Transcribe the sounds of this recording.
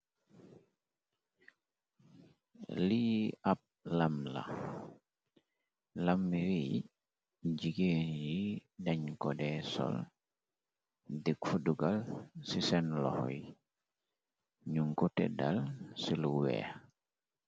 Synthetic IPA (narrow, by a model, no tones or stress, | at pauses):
liap̚lamla̰ | lamiɾi | ɟiɡenjidaɲkɔdɛsɔ̰l | dikfuduɡalsisɛnlɔ̰hɔ̰i | ɲuŋkɔtɛ̰da̰lsiluwɛ̰